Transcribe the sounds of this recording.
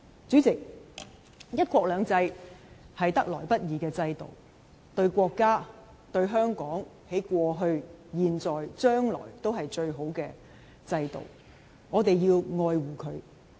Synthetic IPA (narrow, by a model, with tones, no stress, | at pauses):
t͡syː˨˥t͡sɪ˨k̚ | jɐ˥t̚kʷɔː˧˥k̚lœː˨˧ŋt͡sɐ˧jhɐ˨jt̪ɐ˥k̚lɔː˨˩jpɐ˥t̚jiː˨˧kɛː˧t͡sɐ˧jt̪o̰˨˩w | t̪ɵ˧ɥkʷɔː˧kːaː˥ | t̪ɵ˧ɥɦœː˥ŋkɔː˨˥ŋ | he˨˥jkʷɔː˧ɦɵ˧ɥjiː˨nt͡ʃɔː˨jt͡ʃœː˥ŋlɔ̰ː˨˩jt̪o˥wɦɐ˨jt͡ʃɵ˧ɥɦo˨˥wkɛː˧ | t͡sɐ˧jt̪o̰˨˩w | ŋɔː˨˧t̪e˨jjiː˧wŋɔː˧jwuː˨˩kʰɵ˨˧ɥ